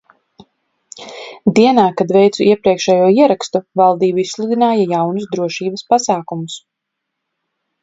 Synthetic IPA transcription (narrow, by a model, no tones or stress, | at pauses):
d̪iɛnaːkad̪vɛjt̪suʔiɛpɾiɛkʃɛjuɔiɛɾakst̪uvalˠd̪iːbuisslˠud̪inaːjajawnusd̪ɾuɔʃiːbɐspasaːkumus